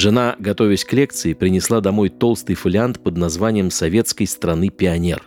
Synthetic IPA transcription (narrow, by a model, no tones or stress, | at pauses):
ʐɨnaɡɐt̪o̞vʲɪsʲklʲekt̪sɨɪpɾʲɪnʲɪslˠad̪ɐmo̞jt̪o̞lˠst̪ɨjfɨlʲɪant̪pəd̪nɐzvanʲɪjəmsɐvʲet̪skəjst̪ɾɐnɨpʲɪɐnʲer